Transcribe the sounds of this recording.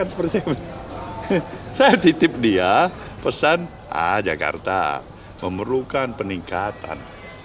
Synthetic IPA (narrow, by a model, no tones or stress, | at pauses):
ansə̥pərt̪isajb | sajat̪it̪ɪp̚dia | pəsan | a̰d͡ʒaka̰rt̪a̰ | məməɾukanpəniŋkat̪a̰n